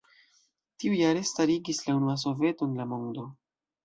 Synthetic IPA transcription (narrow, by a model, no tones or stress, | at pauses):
tiujaɾe̞staɾiɡislaunuas̬o̞ve̞to̞nlamo̞ndo̞